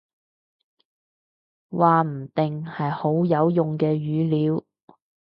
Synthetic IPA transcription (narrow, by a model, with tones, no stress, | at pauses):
waː˨m̩˨˩t̪ɪ˨˩ŋhɐ˨jho˨˥wjɐ˨˧wjʊ˨˩ŋkɛː˧jyː˨˥liː˨˥w